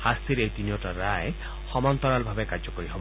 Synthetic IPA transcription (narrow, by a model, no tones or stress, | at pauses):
hast̪iɾeɦjt̪inijɔʈaɾae | xɔmɔnt̪ɔɾalbʱabekaɾd͡ʒɔkɔɾiɦɔb